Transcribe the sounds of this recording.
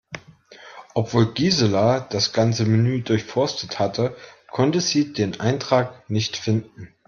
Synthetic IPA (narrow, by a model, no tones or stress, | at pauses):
ʔɔpv̥oːlɡiːzəlad̥asɡ̥ant͡səminyːdʊɐçfɔɐstəthatʰəkʰɔntəziːdeːnʔa̰ɪntʁ̥aːknɪçtfɪndn̩